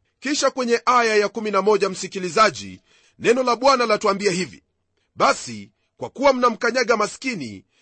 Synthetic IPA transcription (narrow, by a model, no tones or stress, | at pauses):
kiʃakwɛɲɛʔajajakuminamɔʄam̩sikilizaʄḭ | nɛnɔlaɓwanalatuambiahivḭ | ɓasi | kwakuwam̩nam̩kaɲaɠamaskinḭ